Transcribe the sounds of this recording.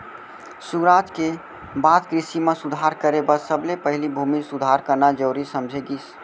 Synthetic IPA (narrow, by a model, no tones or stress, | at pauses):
suɾat̪ke | bad̪kɾisimesud̪ʱaɾkəɾebəsəblepəɦilibʱumisud̪ʱaɾkənad͡ʒəːɾisəmd͡ʒʱeɡis